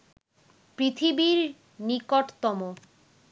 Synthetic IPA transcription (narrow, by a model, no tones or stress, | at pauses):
pɾit̪ʰibiɾ | nikoʈt̪ɔmo